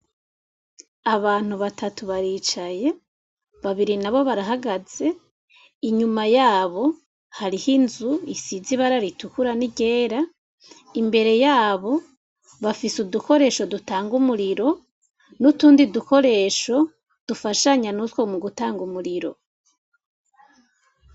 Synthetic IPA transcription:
aβaːn̥huβatʰatuβaɾiːt͡ʃaje̞ | βaβiɾinaβo̞βaɾaɦaɡaz̥e̞ | iɲumajaːβo̞ | haɾihinzuisiziβaɾaɾitukuɾaniɟe̞ːɾa | imbe̞ɾe̞jaːβo̞ | βafisuduko̞ɾe̞ːʃo̞dutaːŋɡumuɾiɾo̞ | nutuːndiduko̞ɾe̞ːʃo̞ | d̥ufaʃaɲanutwo̞muɡutaːŋɡumuɾiɾo̞̰

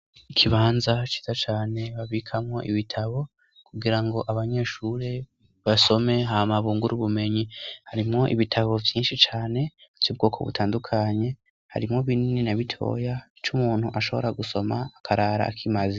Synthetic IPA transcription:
ikʰiβaːnzat͡ʃi̥z̥at͡ʃaːne̞βaβikʰamŋo̞̰ʔiβitʰaβo̞ | kʰuɡiɾaŋɡo̞ʔaβaɲe̞ːʃuɾe̞ | βaso̞me̞ɦamaβuːŋɡuɾuβume̞ɲihaɾimŋo̞ʔḭβitʰaβo̞vjiːnʃit͡ʃaːne̞v̥jub̚ɡo̞ːkʰo̞βṵtʰaːndukʰaɲe̞ | ha̰ɾimŋo̞βinininaβitʰo̞̰ja | t͡ʃumuːn̥huʔaʃo̞βo̞ɾaɡuso̞maːkʰaɾaːɾa̰ːkʰimazi

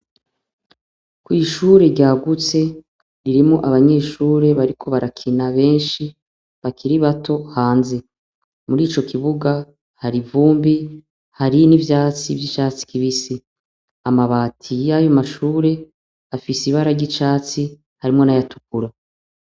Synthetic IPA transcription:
kwiːʃuːɾe̞ɾɟaːɡut͡se̞ | ɾiɾimŋo̞ʔaβaɲe̞ːʃuːɾe̞βaɾikʰo̞βaɾakʰinaβe̞ːnʃi | βakʰiɾiβatʰo̞haːnze̞ | muɾiːt͡ʃo̞kʰiβuɡa | haɾivuːmbi | haɾinivjaːt͡sivjit͡ʃaːt͡si̥kiβisi | amaβaːtʰijajo̞maʃuːɾe̞ | afisiβaɾaɟit͡ʃaːt͡si | haɾimŋo̞najatu̥kuɾa

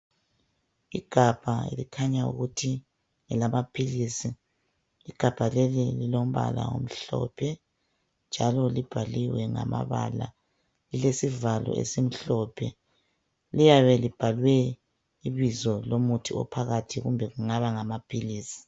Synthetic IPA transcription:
iɡ̥ʱab̥ʱaḛlikʰaɲaṵɣutʰi | ŋɛlamapʰilisi | iɡ̥ʱab̥ʱalelililom̩βa̰la̰o̰m̩ɬɔ̰pʰɛ | nd͡ʒʱalɔlib̥ʱaliwɛŋa̰ma̰βa̰la̰ | lilesivalɔ̰ʔḛsem̩ɬɔpʰɛ | lijaβɛlib̥ʱalwɛ | iβizɔlomutʰiɔ̰pʰaɣatʰiɣumbʱɛɣuŋaβaŋamapʰiliːsi̥

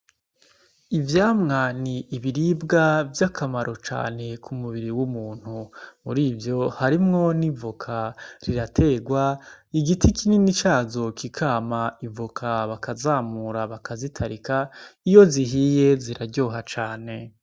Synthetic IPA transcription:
ivjaːmŋaniːβiɾibɡavjakʰamaɾʔo̞t͡ʃa̰ːne̞kʰumuβiɾiwumuːn̥humṵɾiːvjo̞haɾimŋo̞nivukʰaɾiɾatʰe̞ːɡwaiɡitʰikʰininit͡ʃaːzo̞kikʰaːmaivukʰaβakazaːmuɾaβakʰazitʰaɾikaijo̞ziɦije̞ziɾaɾɟoːɦat͡ʃaːne̞

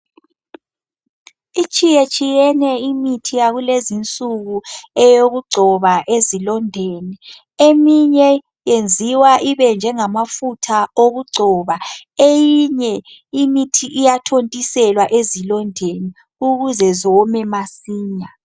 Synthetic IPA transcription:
it͡ʃʼijet͡ʃʼijɛnɛimitʰijaɣulezint͡sʼuɣuɛjoɣuɡ͡ǀʱɔβaʔezilɔndʱeni | emiɲɛ | jend͡zʱiwaʔiβɛnd͡ʒʱɛŋamafutʰaoɣuɡ͡ǀʱɔːβaejiɲɛ | imitʰiʔijatʰontʼisɛlwaʔezilɔndʱeni | uɣuzɛzɔmɛmasiːɲa

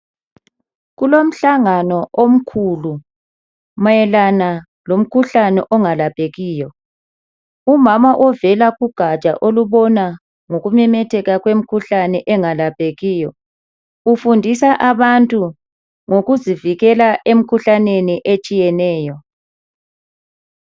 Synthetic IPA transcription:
ɣulom̩ɬaŋanɔʔom̩kʰulu | majɛlana | lom̩kʰuɬanɛ̰ʔɔŋalapʼeɣiːjɔ | umamaʔɔvɛlaɣuɡ̥ʱat͡ʃʼa̰ʔoluβɔna | ŋoɣumɛmɛtʰɛɣaɣwem̩kʰuɬanɛʔɛŋalapʼeɣiːjɔ | ufundʱisaʔaβantʼu | ŋoɣuziviɣɛlaʔem̩kʰuɬaneniʔet͡ʃʼijɛnɛːjɔ

